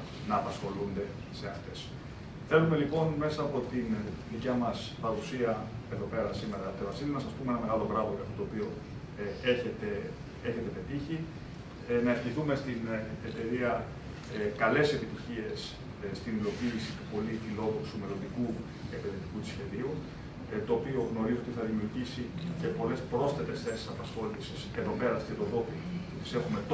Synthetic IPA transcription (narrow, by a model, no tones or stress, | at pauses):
nɐːpɐsxo̞lund̪e̞ | se̞ɐft̪e̞s | θe̞lume̞lipo̞nme̞sɐːpo̞t̪inðicɐmɐspɐɾusiɐe̞ðo̞pe̞ɾɐsime̞ɾɐt̪evɐsinemɐsɐspumeenɐme̞ɣɐlo̞ɣɾɐvo̞ʝɐft̪o̞t̪oːpio̞ | eçet̪e | eçe̞t̪e̞pe̞t̪içi | nɐefçiθume̞st̪inet̪e̞ɾiɐ | kɐle̞se̞pit̪içie̞s | st̪inilo̞piːsit̪upo̞lifilo̞ðoksume̞lo̞nd̪iku | epe̞nðet̪ikut̪i̥sçe̞ðiu | t̪o̞ːpio̞ɣno̞ɾizoot̪iθɐðimiuɾʝisice̞po̞le̞spɾo̞sθe̞t̪e̞sθe̞si̥sɐpɐsxo̞lisise̞ðo̞pe̞ɾɐst̪it̪oðo̞pi | ut̪i̥se̞xume̞t̪